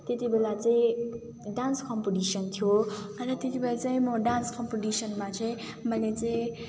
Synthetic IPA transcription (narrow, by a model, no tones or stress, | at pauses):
t̪et̪ibelat͡saĩ | ɖanskʌmpoʈisʌnt̪ʰijorʌt̪et̪ibelat͡saĩmʌɖanskʌmpoʈisʌnmat͡saĩ | mʌlet͡saĩ